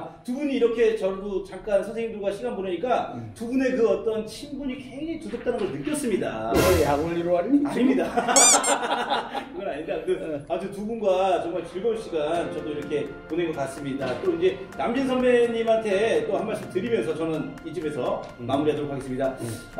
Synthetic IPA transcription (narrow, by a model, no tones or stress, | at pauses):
tubuɲiːɾʌkʰe̞t͡ɕʌdot͡ɕaŋk͈ansʰʌnsʰeŋindoɡwaɕʰiɡanbonɯɲik͈atubune̞kɯʌt͈ʌnt͡ɕʰinbuɲiked͡ʑetusʰop̚t͈anɯnɡʌɭnɯk͈jʌs͈ɯmɲida̰ejaɡoʎːiɾoaɾaɲimɲida | kɯɡʌnaɲimidadɯad͡ʑutubunɡwat͡ɕʌŋmaɭt͡ɕiɭɡʌuɭɕʰiɡant͡ɕʌdoiɾʌkʰe̞poneŋɡʌkas͈ɯmɲidat͈oind͡ʑe̞namd͡ʑinsʰʌnmeɲimantʰe̞t͈ohanmaɭs͈ɯmtɯɾimjʌnsʰʌt͡ɕʌnɯnid͡ʑɯme̞sʰʌ | mamuɾiɦadoɾokʰaɡes͈ɯmɲida